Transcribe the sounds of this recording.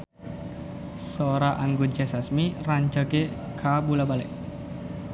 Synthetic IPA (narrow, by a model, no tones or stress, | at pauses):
soɾaʔaŋɡud͡ʒɛsasmiraɲd͡ʒaɡe | kʰabulabalɛ̰ʔ